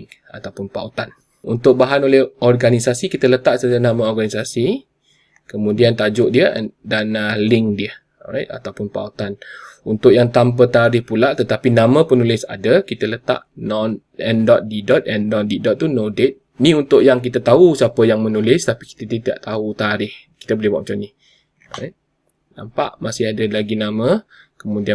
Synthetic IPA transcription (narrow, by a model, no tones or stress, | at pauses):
a̰t̪awpʊnpa̰ut̪an | unt̪ʊʔ̚baɦanolɛhɔrɡanisasikit̪ələt̪aʔsətənamə̃ɔrɡanisasi | kəmũdiant̪ad͡ʒʊʔdiəʔdanəlɪŋdiə | ɾa̰jt̪a̰t̪awpʊnpa̰ut̪anunt̪ʊʔjaŋt̪amp̬ət̪aɾɪhpulaʔt̪ət̪apinãmə̃pənulɪsa̰dəkit̪ələt̪a̰ʔnɔn | ɛndɔt̪̚didɔt̪̚ɛndɔt̪̚didɔt̪t̪ːunodet̪̚ | niunt̪ʊʔjaŋk̬it̪ət̪ausapəjaŋmənulɪst̪apiki̥t̪ət̪it̪ida̰ʔt̪aut̪aɾɪh | ki̥t̪əbolɪhba̰ʔmat͡ʃamnih | ɔɾa̰jt̪̚ | na̰mpa̰ʔmasɪhadəlaɡinamə̃kəmudia